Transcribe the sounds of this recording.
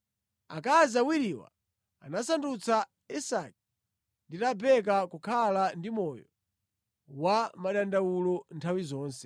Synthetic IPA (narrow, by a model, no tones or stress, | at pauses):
a̰kazawiɾiwa̰ | anasandut͡sa | isak̚i | nditabɛk̬akukʰalandimɔjɔ | wamaɗandawulɔntʰawizɔːnsɛ